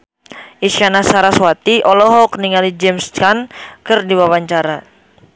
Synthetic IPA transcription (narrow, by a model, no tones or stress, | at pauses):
ʔisjanasaɾaswat̪iʔɔlɔɦɔkniŋalid͡ʒɛmskankɨrdiwawaɲt͡ʃaɾa